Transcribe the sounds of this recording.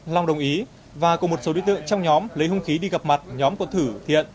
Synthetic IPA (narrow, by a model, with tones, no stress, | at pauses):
la˨˩wŋ͡mɗə˨˩wŋ͡mʔi˨˦ | vaː˨˩kɔ˨˩mo˨˩t̚so˨˦ḭ˧˨t̪ɨ̰˧˨ə˨ŋt͡ɕɔ˧wŋ͡mɲɔ˨˦mlə˨˦jɦʊ˧ŋ͡mxi˨˦ɗi˧ɣə˨˩p̚ma˨˩t̚ɲɔ˨˦mkɔ˨˩˦t̪ʰɨ˧˩t̪ʰḭ˧˨ən